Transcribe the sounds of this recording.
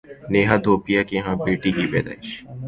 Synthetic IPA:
neːɦad̪ʱoːpɪjakiɦãːbeːʈikipɛ̰ːd̪a̰ːɪʃ

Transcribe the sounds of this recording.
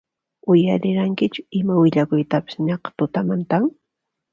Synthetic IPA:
ʊjaɾɪɾaŋkɪt͡ʃʊɪmawɪʎakʊjt̪apɪ̥sɲɑqɑ̥t̪ʊt̪amant̪aŋ

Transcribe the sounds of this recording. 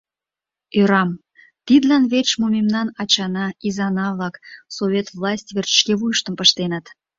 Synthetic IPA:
øɾɑm | t̪id̪lɑnβet͡ɕmumʲemnɑnɑt͡ɕɑnɑizɑnɑβlɑksoβʲet̪vlɑsʲtʲβert͡ʃə̥ʃkeβujəʃt̪əmpəʃt̪enət̪

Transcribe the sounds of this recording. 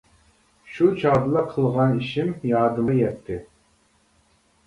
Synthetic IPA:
ʃut͡ʃʰɑʁd̪ɨlˠɑqʰəlˠʁɑniʃɪmjɑːd̪ɨmjɛt̪ʰːɪ

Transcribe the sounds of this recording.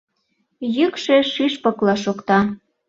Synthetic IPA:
jykʃeʃiʃpɤklɑʃokt̪ɑ

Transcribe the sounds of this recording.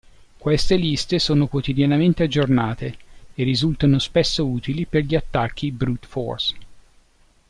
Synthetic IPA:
kwest̪elist̪esoːnokwot̪id̪janament̪ead͡ʒːornaːt̪eːrːizult̪anospesːouːt̪iliperʎiat̪ːak̟ːibɾut̪fɔ̰rs

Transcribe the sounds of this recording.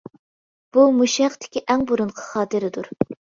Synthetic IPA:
b̥umuʃɛχt̪ʰɪ̥kʲiʔɛŋbuɾunqʰə̥χɑːt̪ɨɾɪd̪uɾ

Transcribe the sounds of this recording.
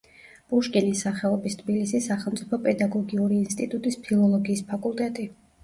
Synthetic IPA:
b̥ʼuʃkʼinisaχɛɔbist̪ʰbilisisːaχɛlˠmt̪sʼipʰɔpʼɛd̪aɡɔɡiuɾiːnst̪ʼit̪ʼut̪ʼispʰilˠɔlˠɔɡiːspʰakʼulˠt̪ʼɛt̪ʼi

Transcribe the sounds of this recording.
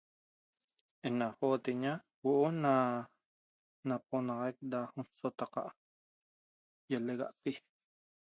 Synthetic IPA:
enaχoːt̪eɲa | woʔona | nap̚onɑʁɑjk̚dahonsot̪ɑqɑ̰ʔ | jeleɣa̰ʔpi

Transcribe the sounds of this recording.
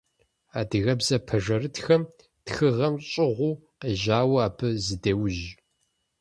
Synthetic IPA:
aːdɨɣɐbzɐpʰɐʐɐrɨtxɐm | txɨʁɐmɕʼɪʁʷuː | əʒaːwɐaːpʰɨzɨdeːwʒ

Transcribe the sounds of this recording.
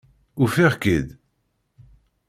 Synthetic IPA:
ufiʁkid̪

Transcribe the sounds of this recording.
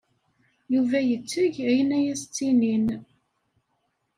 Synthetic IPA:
juvæjət͡sːəʝæjənæjæst͡sːinin

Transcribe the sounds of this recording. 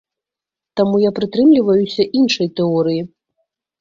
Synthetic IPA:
t̪amujapɾɨt̪ɾɨmlʲivɐjusʲɐʔinʂɐjt̪ɛɔɾɨji

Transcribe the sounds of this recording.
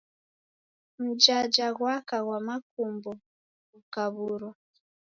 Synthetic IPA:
m̩d͡ʒad͡ʒaɣwakaɣwamak̚umbɔ | ɣukaβuɾɔ

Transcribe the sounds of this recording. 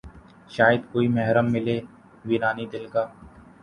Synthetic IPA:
ʃaːjəd̪koːimɛɦɾəmːɪleː | ʋiːɾaːnid̪ɪlkaː

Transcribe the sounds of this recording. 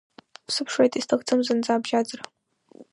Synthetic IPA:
psɨpʰʂejtʰʼistʰɨxt͡sʰɨmzɨnd͡zaːbʒaːd͡zɨr

